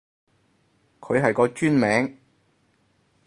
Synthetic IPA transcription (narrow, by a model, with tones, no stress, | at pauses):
kʰɵ˨˧ɥɦɐ˨jkɔː˧t͡ʃyː˥nmɛː˨˥ŋ